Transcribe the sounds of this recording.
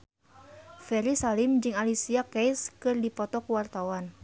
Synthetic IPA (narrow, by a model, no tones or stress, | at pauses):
fɛɾisalimd͡ʒɨŋalisiakɛjskɨrdipɔt̪ɔkuwart̪awan